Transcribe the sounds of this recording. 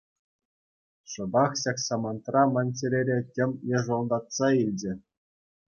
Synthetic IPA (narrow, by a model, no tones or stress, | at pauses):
ʂɤ̆bɑχɕɑksɑmɑnt̪rɑmɑnʲt͡ɕʲĕɾʲeɾʲetʲɘ̆mʲjɤ̆ʐŏlˠd̪ɑt̪sɑilʲd͡ʑɘ̆